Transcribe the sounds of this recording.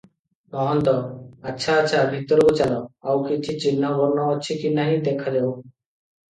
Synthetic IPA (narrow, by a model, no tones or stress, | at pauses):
nɔɦɔnt̪ɔatːɕʰaːtːɕʰabʱit̪ːɔɾbot͡ɕalɔawkit͡ʃʰit͡ɕinːabɔɾnɔɔt͡ʃʰikinaɦĩd̪ekʰːad̪ebo